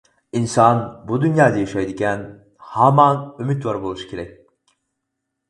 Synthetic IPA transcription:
insanbud̪ynjaːd̪ejiʃejd̪icʲʰæn | hamanymit̪vaɾbolˠuʃcʰiɾɛ

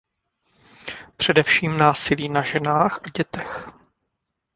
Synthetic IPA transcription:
pr̝̥ɛdɛfʃiːmnaːsɪliːnaʒɛnaːxʔaɟɛt̪ɛx

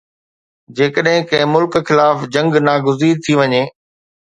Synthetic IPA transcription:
d͡ʑeːkəɗɦɪ̃kɐ̃ɦɪ̃mʊlkxɪlaːfd͡ʑɐ̃ŋɡnaːɡʊziːɾt̪ʰiʋɐɲeː

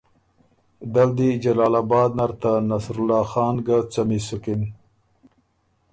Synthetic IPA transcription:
d̪ald̪id͡ʒalɑːlabɑːd̪̚naɾt̪anasɾʊlɑːxɑːnɡat͡samisʊkin

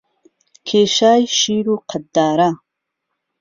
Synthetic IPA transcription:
kʰeːʃaːjʃiːɾuːqʰɐd̪ːaːɾa

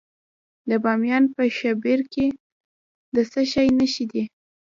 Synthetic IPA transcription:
d̪əbɑmjɑnpəʃabeɾke | d̪əsəʃɑjnəʃid̪i

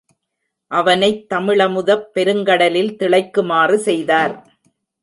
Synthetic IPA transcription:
ʔɐʋɐnɐɪt̪ːɐmɪɭɐmʊðɐpːɛɾɯŋɡɐɽɐlɪlt̪ɪɭɐɪkːɯmaːrɯsɛjðaːɾ

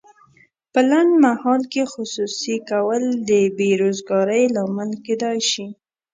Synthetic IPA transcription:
pəland̪mahɑlkexʊsusikawəld̪əbeɾozɡɑɾəjlɑməlked̪ɑjʃi

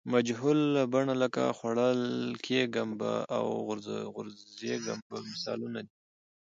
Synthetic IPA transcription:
mad͡ʒɦulːabaɳaləka̰xwaɽəlkʰeɡamba̰a̰wɣɾɣʊɾzeɡa̰mbamɪsɑ̰lunad̪i

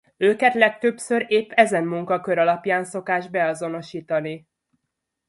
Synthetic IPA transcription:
øːkɛt̪lɛk̚t̪øpsø̞ɾeːpːɛzɛnmuŋkɒkø̞ɾɒlɒpjaːnso̞kaːʒbɛɒzo̞no̞ʃiːt̪ɒni

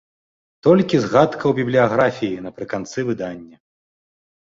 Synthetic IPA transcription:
t̪ɔlʲkʲizɣat̪kʰɐwbʲiblʲijaɣɾafʲijinɐpɾɨkant̪sɨvɨd̪anʲːɐ

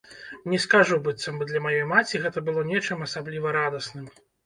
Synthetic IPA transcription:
nʲɛskaʐubɨt̪sɐmbɔd̪lʲɐmajɔjmat͡sʲiɣɛt̪ɐbɨlˠɔnʲɛt͡ʂɨmɐsablʲivɐɾad̪ɐsnɨm

